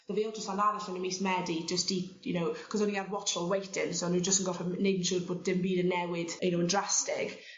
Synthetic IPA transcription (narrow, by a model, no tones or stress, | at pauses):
ðəveːlˠd͡ʒəstanaɾaɬɔnəmismɛdid͡ʒəsti | jʊnowkʰɔzɔniɡawɔt͡ʃɔlˠwejtʰɪnsonud͡ʒəstənɡɔfɛnedn̩ʃudboːd̚dɪmbiːdənːɛwɪðjʊnowəndrastɪɡ̥